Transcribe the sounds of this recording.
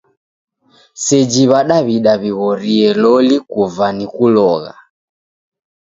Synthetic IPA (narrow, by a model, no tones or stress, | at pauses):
sɛd͡ʒiβaɗaβiɗaβiɣɔɾiɛlɔlikuvanikulɔɣa̰